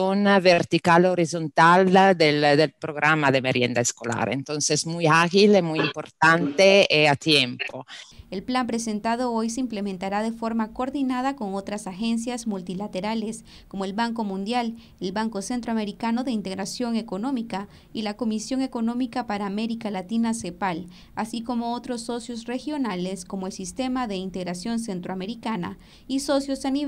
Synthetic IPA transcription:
onaveɾt̪ikaloɾizont̪ald̪eld̪elpɾoɣɾamaðemeɾjend̪aeskola̰ɾḛnt̪onsesmujaɣilemujimpoɾt̪ant̪eeat̪jempoelplampɾe̞se̞nt̪að̞o̞ojseimple̞mẽ̞nt̪aɾaðe̞fo̞ɾmakoɾðinað̞ako̞ŋo̞t̪ɾasaxe̞ns̬jazmult̪ilat̪e̞ɾale̞s | ko̞moe̞lβaŋko̞mũnd̪jal | elβaŋko̞se̞nt̪ɾoame̞ɾikano̞ðe̞int̪e̞ɣɾasjo̞ŋe̞ko̞no̞mika | ilako̞misjo̞ŋe̞ko̞no̞mikapaɾaːme̞ɾikalat̪inase̞pal | asiko̞mo̞ot̪ɾo̞sːo̞sjo̞sre̞xjo̞nale̞skomoelsist̪e̞maðe̞int̪e̞ɣɾasjo̞ns̬e̞nt̪ɾoame̞ɾikana̰ | iso̞sjo̞sani

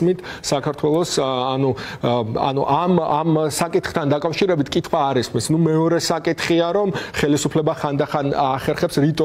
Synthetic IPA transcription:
mit̪ʰsakʰaɾt̪ʰwɛlˠɔsanu | a̰nuʔamamsakʼit̪χt̪ʰand̪akʼafʃiɾɛbit̪ʰkʼit̪ʰχwaːɾismisnumɛɔɾɛsakʼit̪χiaɾɔmχɛlisupʰlɛbaχand̪aχanaχɛɾχɛpsɾit̪ʼɔ

